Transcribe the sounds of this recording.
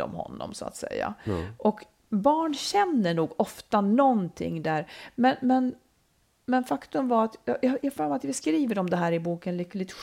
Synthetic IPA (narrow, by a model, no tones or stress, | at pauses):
ɔ̰mhɔ̰nːɔ̰msʊa̰t̪sɛ̰jːa̰ʔɔk | bɑːɳɕɛnːəɳuːɡɔft̪anɔnt̪ʰɪ̰ŋːd̪æːɾmɛnmɛn | mɛnfakt̪ɵmvaɾat̪jɑjɑjɑfœːɾmat̪jabɛskɾiːvəɾɔmd̪ɛɦæːɾɪbuːkənlʏkːlɪt̪ɧ